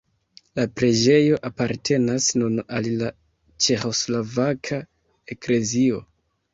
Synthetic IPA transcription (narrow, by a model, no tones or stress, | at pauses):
lapɾe̞d͡ʒe̞jo̞ʔapaɾtʰe̞nasnunalila | t͡ʃe̞xo̞slavakʰa | e̞kle̞zio̞